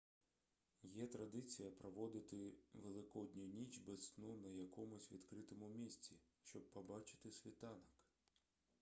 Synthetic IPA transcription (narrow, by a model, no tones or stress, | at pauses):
jɛt̪ɾɐd̪ɪt͡sʲijɐpɾɔʋɔd̪ɪt̪ɪʋelˠɪkɔd̪ʲnʲʊnʲit͡ʃbɛsnunɐjɐkɔmʊsʲʋʲḭd̪kɾɪt̪ɔmʊmʲisʲt͡sʲiʃt͡ʃɔb̚pɔbɑt͡ʃɪ̥t̪ɪsʲʋʲit̪ɑnɐk